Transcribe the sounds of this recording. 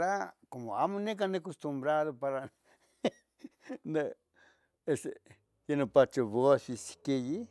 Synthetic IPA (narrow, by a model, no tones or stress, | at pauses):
ɾakomoamõnẽk̬anẽkost̪umbɾaðopaɾa | na | ese | jenũpat͡ʃoβosisi̥keji